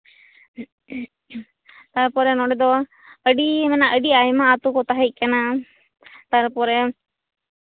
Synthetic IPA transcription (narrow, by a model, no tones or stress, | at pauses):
t̪aɾpɔɾɛnɔɖɛd̪ɔ | əɖimɛnaʔəɖiajmaːt̪ukɔt̪aɦəc̚ˀkana | t̪aɾpɔɾɛ